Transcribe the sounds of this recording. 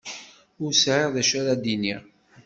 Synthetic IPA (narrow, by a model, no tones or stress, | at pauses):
ʊɾsʕeʁðæʃæɾad̪iniʁ